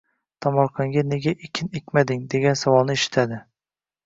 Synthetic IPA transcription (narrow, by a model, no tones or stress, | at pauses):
t̪ʰɒmɒɾqʰɑŋɡʲane̞ɡʲaʔekʲʰɪnekʲmad̪ɪŋd̪e̞ɡʲansavɒlˠnɪeʃɪ̥t̪ʰad̪ɪ